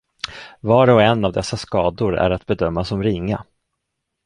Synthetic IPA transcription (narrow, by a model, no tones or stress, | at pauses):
vɑːɾɔɛnːavd̪ɛsːaskɑːd̪ʊɾæ̰ɾat̪bɛd̪œmːasɔmɾɪŋːa